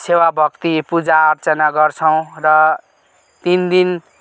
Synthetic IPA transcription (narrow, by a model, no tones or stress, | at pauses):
sewabʱʌkt̪ipud͡zaːrt͡sʌnaɡʌrt͡sʰʌw̃rʌ | t̪ind̪in